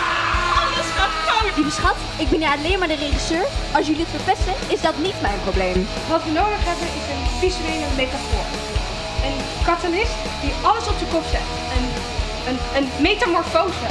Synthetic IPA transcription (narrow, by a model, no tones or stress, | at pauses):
ɑləsχɑtodibəsχɑt | ɪɡ̚bɛniɑlejnmaɹdərejχisøːɹɑlˠs̬jɵliətfəɹpɛstəɪzdɑtnitmajənprowblejm | ʋɑtʋənowdəχɦɛbənɪsənfisəmenəmetafʊ̰ːɹ | ən | kɑtalɪst | d̥iɑləsɔp̚dəkɔfɛ̰t | ən | ənənmejtamɔɹfowsə